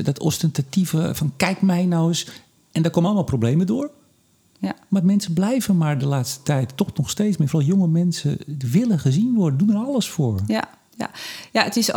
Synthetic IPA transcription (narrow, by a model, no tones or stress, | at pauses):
dɔtɔ̰stɛntativəfɔnkɛjkmɛjnɔwəs | ɛndɔkoːmənɔlˠmalˠprowbleːmədoːr | matmɛnsəblɛjvənmardəlaːtstə̥tɛjtːɔxnɔxsteːsmɛfrɔlˠjoŋəmɛnsəʋɪləχəzinʋoddunəɾɔlˠəsfoːɹ | ajaətɪs